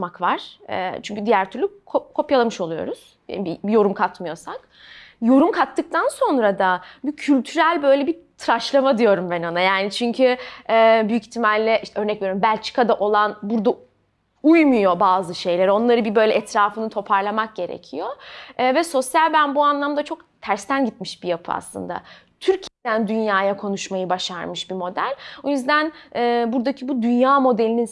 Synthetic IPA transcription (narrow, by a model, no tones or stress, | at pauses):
makvaɾ̥ɛ̰ːt͡ʃʰyɲcʰyd̪ijæɾt̪ʰyɾlʲykʰokʰo̞pjalˠamɯʃo̞lˠujo̞̰ɾuz̥ | a̰bibijo̞ɾumkʰat̪mɯjo̞sak | jo̞ɾumkʰat̪ːɯk̚t̪ʰanso̞nɾad̪abicʰylʲt̪ʰyɾælʲbø̞jlʲɛbit̪ʰɾaʃlˠamad̪ijo̞ɾumbɛnonajaːnit͡ʃʰyɲcʰyɛːbyyct̪ʰimalʲːɛʔiʃt̪ʰɛø̞ɾnɛc̚viejoɾumbælʲt͡ʃʰi̥kʰad̪aʔo̞lˠanbuɾd̪a | ujmujo̞baːzɯʃe̞jlʲeɾo̞nlˠaɾɯbibø̞jlʲɛɛt̪ʰɾaːfɯnɯt̪ʰo̞pʰaɾlˠamak̚ɟe̞ɾḛcʰijo̞ːvɛso̞sjalʲbænbuanlˠamd̪at͡ʃʰo̞k̚t̪ʰæɾst̪ʰænɟit̪̚miʃbijapʰɯa̰slˠɯ̰nd̪a̰ | t̪ʰyɾcʰijed̪ænd̪ynjaːjakʰo̞nuʃmajɯbaʃaɾmɯʃbimo̞d̪æ̰lʲojyzd̪ænɛːbuɾd̪acʰibud̪ynjaːmo̞d̪elʲinin